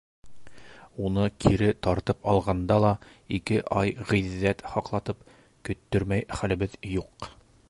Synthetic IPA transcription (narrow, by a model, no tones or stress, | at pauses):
unɤkʰiɾɘt̪ɒɾt̪ɤpɑlˠʁɑnd̪ɑlˠɑ | ikɘʔɑjʁiðːæt̪hɑqlˠɑt̪ɤp̚ | kɵ̆t̪ːɵɾmæjχælɘ̆bɘðjuq